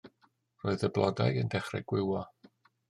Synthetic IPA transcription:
roːɨðəblˠɔdajəndɛχrɛ̰ɡwɪwɔ

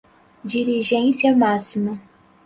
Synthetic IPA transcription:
d͡ʒiɾiʒẽsiɐmasimɐ

